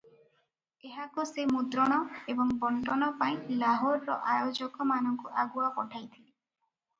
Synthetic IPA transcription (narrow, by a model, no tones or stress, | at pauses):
eɦakusemud̪ɾɔɽ̃ɔebɔŋbɔɳʈɔñɔpaĩlaɦoɾːɔʔajod͡ʒɔkɔmanɔŋkuʔaɡuapɔʈʰajt̪ʰili